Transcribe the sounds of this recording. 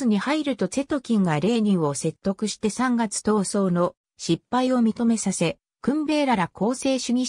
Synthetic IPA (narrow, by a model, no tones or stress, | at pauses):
ɨɲ̟ihaiɾɯ̟t̪o̞t͡se̞t̪ːo̞kʲĩŋɡaɾe̞ːɲ̟ĩɰ̃o̞se̞t̪ːo̞kɯ̟ɕi̥t̪e̞sãŋɡat͡sɨ̥t̪o̞ːso̞ːno̞ | ɕipːaio̞mʲit̪o̞me̞sase̞ | kɯ̟̃mbe̞ːɾaɾako̞ːse̞ːɕɨɡʲi